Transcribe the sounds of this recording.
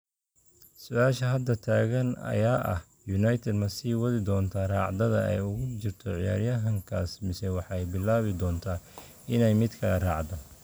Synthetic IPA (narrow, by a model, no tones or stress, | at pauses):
sʊʔaːʃɐɦɐd̪ɐt̪ʰaːɣɐnɐ̰jaːʔɐ̰h | jʊnɐjt̪ʰɛd̪mɐsiːwɐðɪd̪ɔːnt̪ʰaːrɑːʕd̪ɐðɐɛ̰jʊɣʊt͡ʃɪrt̪ʰɔʕɪja̰ːɾjɐɦɐŋkʰaːsmɪsɛwɑħɑjbɪlaːβɪd̪ɔːnt̪ʰaː | ɪnɛjmɪd̪kʰɐɐrɑːʕd̪ɐ